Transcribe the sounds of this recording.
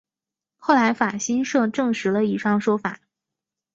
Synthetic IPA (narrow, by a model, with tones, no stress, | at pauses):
xo˥˩ʊla˧˥ɪfa˨˩ɕi˥nʂɤ˥˧ʈ͡ʂɤ˥˩ŋʂɻ̩˧˥lə˧i˨˩ʂɑ˥˩ŋʂwɔ˥fa˨˩˦